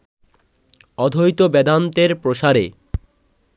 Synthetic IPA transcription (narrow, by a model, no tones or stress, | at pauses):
ɔd̪ʱojt̪obɛd̪ant̪eɾpɾoʃaɾe